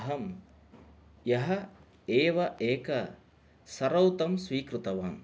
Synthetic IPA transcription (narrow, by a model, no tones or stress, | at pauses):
ɦɐm | jɐɦɐ | eːʋɐʔeːkɐ | sɐɾɐwt̪ɐmsʋiːkɾut̪ɐʋaːm